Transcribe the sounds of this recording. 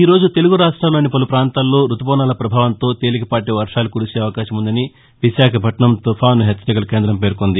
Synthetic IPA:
iːɾo̞ːd͡ʒut̪e̞luɡuɾaːʂʈɾaːloːnipɐlupɾaːnt̪aːlːo̞ːɾut̪upɔːnaːlɐpɾɐbʱaːʋɐnt̪o̞ːt̪e̞ːlikɐpaːʈ̬eʋɐɾʂaːlukuːɽuseːɐʋɐkaːʃɐmund̪ɐni | ʋiʃaːkʰɐbʱɐʈɐɳɐmt̪ɔpʰaːnuɦet͡ʃːɐɾikɐlɐke̞ːnd̪ɾɐmpe̞ːɾkond̪i

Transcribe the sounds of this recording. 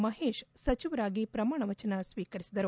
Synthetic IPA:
mɐɦeːʃsɐt͡ʃiʋɐɾaːɡipɾɐmaːɳɐʋɐt͡ʃɐnɐsʋiːkɐɾisid̪ɐɾu

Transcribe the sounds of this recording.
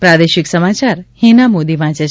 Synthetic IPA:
pɾad̪eʃɪksəmat͡ʃaɾhĩnamod̪iʋãt͡ʃə

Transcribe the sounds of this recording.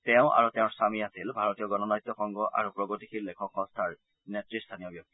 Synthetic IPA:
tɛʊ̃ʔa̰ɹuteʊ̃ɹsamiasilbʱaɹɔtijɔɡɔnɔnajt̪ːɔxɔŋɡɔʔa̰ɹupɹɔɡotikʰiɹlekʰɔkɔ̃stʰaɹ | netɹist̪ʰanijɔbjɔk̚t̪i̥

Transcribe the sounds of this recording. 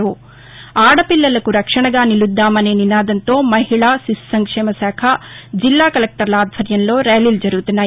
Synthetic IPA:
u | aːɽɐpilːɐlɐkuɾɐkʂɐɳɐɡaːnilud̪ːaːmɐneːninaːd̪ɐnt̪oːmɐɦiɭaːsissɐŋkʂɛːmɐsaːkʰad͡ʒilːaːkɐlek̚ʈɐɾɐlaːd̪ʱʋɐɾjɐnloːɾeːlild͡ʒɐɾuːt̪ɐnaː

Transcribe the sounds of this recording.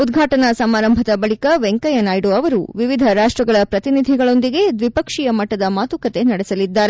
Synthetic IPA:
ud̪ɡʱaːʈɐnɐsɐmaːɾɐmbʱɐd̪ɐbɐɭikɐʋeŋkɐjɐnaːjɽoɐʋɐɾuʋiʋid̪ʱɐɾaːʂʈɾɐɡɐɭɐpɾɐt̪inid̪ʱiɡɐɭo̞nd̪iɡe̞d̪ʋipɐkʂijɐmɐʈːɐd̪ɐmaːt̪ukɐt̪e̞nɐɽesɐlid̪ːaːɾe

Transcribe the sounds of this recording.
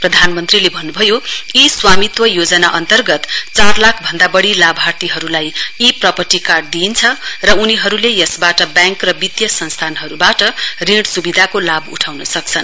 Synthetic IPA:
prʌd̪ʱanmʌnt̪rilebʱʌnːubʱʌjoiswamit̪wʌjod͡zʌnaʔʌnt̪ʌrɡʌt̪t͡sarlakʰbʱʌnd̪abʌɽilabʱart̪iɦʌɾulajiprʌpʌʈikarɖ̚d̪int͡sʰʌrʌuniɦʌɾulejʌsbaʈʌbjãŋkrʌbit̪jʌsʌnst̪ʰanɦʌɾubaʈʌrĩɽsubid̪ʱakolabṵʈʰawnʌsʌk̚t͡sʰʌn

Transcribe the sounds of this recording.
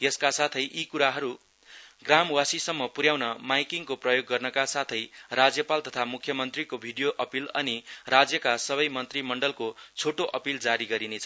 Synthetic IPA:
jʌskasat̪ʰʌjʔikuɾaɦʌɾu | ɡramwasisʌmːʌpuɾjawnʌmajkiŋkoprʌjoɡːʌrnʌkasat̪ʰʌjrad͡zjʌpalt̪ʌt̪ʰamukʰjʌmʌnt̪rikobʱiɖijoʔʌpilʌ̰nirad͡zjʌkasʌβʌjmʌnt̪rimʌɳɖʌlkot͡sʰoʈoʔʌpild͡zaɾiɡʌɾinet͡sʰʌ

